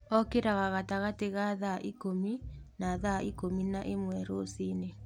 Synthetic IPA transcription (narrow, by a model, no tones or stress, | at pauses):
ɔkeɾaɣaɣataɣateɣaðaʔikominaːðaikominaʔemwɛɾosiːne